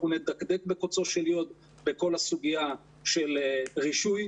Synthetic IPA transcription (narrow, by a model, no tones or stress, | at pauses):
uned̪akd̪ekbekot͡so̞ʃeljod̪ | beko̞lasuɡia | ʃelʁiʃuj